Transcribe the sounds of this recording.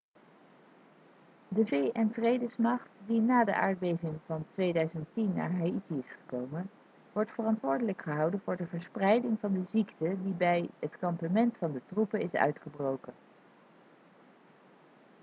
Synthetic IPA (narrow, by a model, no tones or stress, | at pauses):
dəvejʔɛnvrejdəsmɑχtdinaːdə̰ʔa̰ːɹd̚bejvɪŋvɑntʋejdœɥzəntinːa̰ːɹɦaitiɪsχə̥kowmən | ʋɔɹtfərɑntʋʊːɹdələkχəɦɑwdənvʊːɹdəvəɹsprɛjdɪŋvɑndəziktədibɛjɦətkɑmpamɛntfɑndətrupəɪsœ̰ɥtχəbrowkən